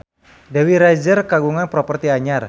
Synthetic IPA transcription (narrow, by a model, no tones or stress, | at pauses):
dawiɾad͡ʒərkaɡuŋanpɾɔpərt̪iaɲar